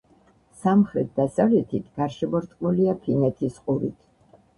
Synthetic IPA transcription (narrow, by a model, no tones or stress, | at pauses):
samχɾɛt̪̚d̪asavlɛt̪ʰit̪ʰɡ̥aɾʃɛbɔɾt̪ʼqʼmuliapʰinɛt̪ʰisqʼuɾit̪ʰ